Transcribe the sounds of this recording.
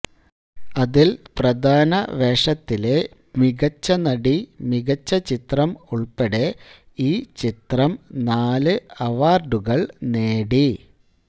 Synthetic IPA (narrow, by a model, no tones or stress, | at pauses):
ɐðilprɐd̪ʱaːnɐʋeːʂɐt̪ːile̞ | miɣɐt͡ɕːɐnɐɽimiɣɐt͡ɕːɐt͡ɕit̪rɐmuɭpeɽe̞ | iːt͡ɕit̪rɐmnaːlɨɐʋaːrɖuɣɐɭneːɽi